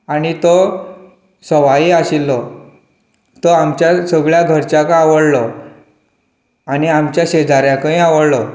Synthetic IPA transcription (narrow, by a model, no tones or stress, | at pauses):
añit̪ɔ | səʋaiaɕilːɔ | t̪ɔamt͡ɕjasəɡɭjaɡʱəɾt͡ɕakaaʋəɽlɔ | añiamt͡ɕjaɕed͡zʱaɾjãkə̃ĩaʋəɽlɔ